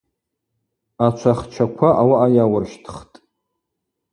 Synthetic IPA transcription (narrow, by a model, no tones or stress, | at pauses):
at͡ʃʷʰaχt͡ʃʰakʷʰaʔawaʔajawʊrʃtʰχtʼ